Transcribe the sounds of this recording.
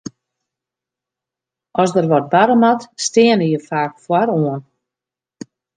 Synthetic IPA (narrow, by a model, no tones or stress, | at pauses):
ʔɔsdərʋɔr̚baɾəmatstɪənəjəfaːkfwaɾoən